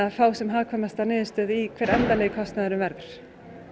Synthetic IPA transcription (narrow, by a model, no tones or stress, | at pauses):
afaːwsɛmɦaðkʰvɔːmast̪anɪːðɪst̪œːðikʰvɛːɾɛnt̪aleːjkʰɔst̪naðɾʏmvɛɾðʏɾ̥